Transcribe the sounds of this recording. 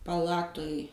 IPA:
pɐˈlˠɑːtʊj

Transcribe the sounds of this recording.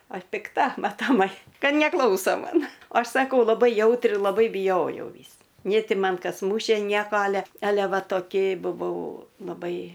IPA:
ɐʃ pʲɪkˈtɐ mɐtoːˈmɐɪ ˈkɐ nʲɛˈklˠɐʊsoː ˈmɐn oː ˈɐʃ sɐˈkɐʊ lˠɐˈbɐɪ ˈjɛʊtʲrʲɪ lˠɐˈbɐɪ bʲɪjoːjɛʊ ˈʋʲiːs nʲeː ˈtʲɪ ˈmɐn ˈkɐs ˈmuːʃʲeː ˈnʲiɛkoː ˈɑːlʲɛ ˈɑːlʲɛ ˈʋɐ toːˈkʲɪ bʊˈʋɐʊ lˠɐˈbɐɪ

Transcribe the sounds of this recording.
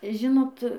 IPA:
ˈʒʲɪnoːt

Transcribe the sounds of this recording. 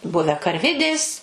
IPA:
ˈbʊʋʲæː kɐrʲˈʋʲɪdʲeːs

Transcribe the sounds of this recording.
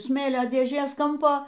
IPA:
ˈsʲmʲeːlʲoː dʲeːˈʒʲeːs ˈkɐmpoː

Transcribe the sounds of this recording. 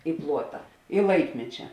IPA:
ɪ ˈplˠuɔtɐ ɪ ˈlˠɐɪkmʲɛt͡ʃʲɛ

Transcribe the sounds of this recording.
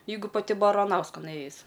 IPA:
ˈjɛɪɡʊ pɐˈtʲɪ bɐrɐˈnɐʊskɐn ˈeːjɪs

